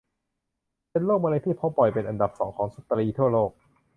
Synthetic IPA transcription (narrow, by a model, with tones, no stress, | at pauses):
pe˧nloː˥˩k̚maː˧la˧˥t̪iː˥˩pʰo˦˥pɔ˨˩jpe˧nʔa˧nda˨˩p̚sɔː˩˦ŋkʰɔː˩˦ŋsu˦˥t̪ːɾiː˧t̪ʰu˥˩ɐloː˥˩k̚